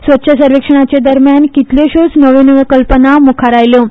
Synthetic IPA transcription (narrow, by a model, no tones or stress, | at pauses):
sʋət̪ːɕʰəsəɾʋekʂəɳ̃at͡ɕed̪əɾmjankit̪ljoɕot͡snəʋẽnəʋəkəlpənamukʰaɾajlo